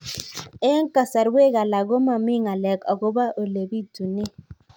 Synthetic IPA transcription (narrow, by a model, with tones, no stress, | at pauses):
e˦ŋ˦ka˨sa˨ɾwe˦ɣa˨la˨ɣo˦ma˨mi˦ŋa˨lɛ˨kɔ˨ɡo˦ba˦ʔo˨le˨bi˦tu˨ne˦